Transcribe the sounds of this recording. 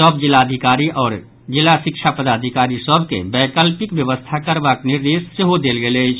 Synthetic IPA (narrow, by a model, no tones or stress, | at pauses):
sɔbd͡ʒɪlaːəd̪ʱikaːɾiʔɔːɾ | d͡ʒɪlːaʃɪkʃʰapəd̪aːd̪ʱikaːɾisɔbʱkḛbɛːkəlpɪkʋjəʋəst̪ʰakəɾbaknɪɾd̪eːsːeɦod̪eːlɡelet͡ʃʰ